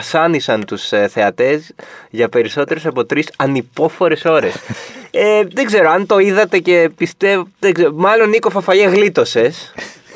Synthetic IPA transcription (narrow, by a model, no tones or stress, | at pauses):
sɐnisɐnt̪usθe̞ɐt̪e̞zʝɐpe̞ɾiso̞t̪e̞ɾe̞sɐpo̞t̪ɾisɐnipo̞fo̞ɾe̞so̞ɾe̞seðeɡze̞ɾoɐnt̪o̞iðɐt̪e̞ce̞pist̪evðeɡzeɾomɐlo̞niko̞fɐfɐʝeɣlit̪o̞se̞s